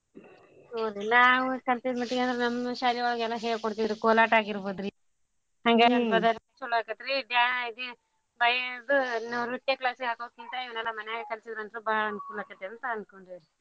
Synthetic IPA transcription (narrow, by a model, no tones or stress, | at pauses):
noːd̪inaːʋukɐlt̪id̪mɐʈːiɡeɐnd̪ɾenɐmːɐʃaːliʋaːɡɛlːɐɦeːkoɽt̪id̪ɾikoːlaːʈaːɡiɾboːd̪ɾi | hɐŋɡenɐnbɐd̪ɐɾɐsulːaːkɐt̪iɾid̪jaːnaid̪i | bɐjɐd̪unɐɾuʈːjɐklaːsɡaːkoːd̪ɐkːint̪ɐiʋɐnɛlːɐmɐnɛjaːɡekɐlsid̪ɾɐnd̪ɾubaɭɐnkuːlakɐt̪ːeɐnt̪ɐɐnd̪koɳɖid̪ɾi